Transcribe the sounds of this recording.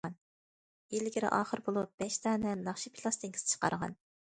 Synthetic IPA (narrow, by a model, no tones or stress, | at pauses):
ɑn | elɡʲiɾɪ̰ʔɑːχəɾbolˠup̚b̥ɛʃt̪ʰɑːnɛnɑχʃipʰilˠɑst̪ɪŋkʲʰisɪ̥t͡ʃʰqɑ̰ɾʁɑ̰n